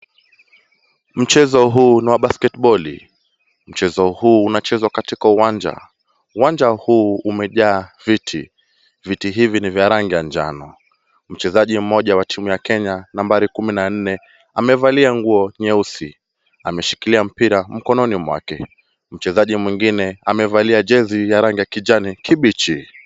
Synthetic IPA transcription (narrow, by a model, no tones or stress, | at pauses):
m̩t͡ʃɛzɔɦuːniwaɓaskɛtɓɔlḭ | m̩t͡ʃɛzɔhuːnat͡ʃɛzwakatikauwaɲd͡ʒa̰ | uwand͡ʒahuːumɛʄaːvitʰḭ | vitiɦivinivjaɾaŋɡijand͡ʒa̰nɔ | m̩t͡ʃɛzaʄim̩mɔʄawatʰimujakɛɲanambaɾikuminan̩nɛ | amɛvaliaŋɡuɔɲɛusḭ | amɛʃi̥kiliam̩piɾam̩kɔnɔnimwa̰kɛ̰ | m̩t͡ʃɛzaʄimwiŋɡinɛamɛvaliaʄɛzijaɾaŋɡijakid͡ʒanikʰiɓit͡ʃi